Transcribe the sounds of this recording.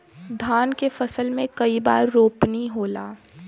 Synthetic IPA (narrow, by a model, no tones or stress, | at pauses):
d̪ʱaːnkefɐsəlmẽkɐiba̰ːɾːoːpniɦoːla̰ː